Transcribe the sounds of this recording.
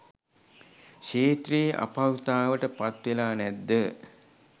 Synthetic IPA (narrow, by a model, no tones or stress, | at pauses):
ʃeːt̪rijəʔa̰pawt̪aːʋəʈəpat̪ʋelaːnæd̪ːə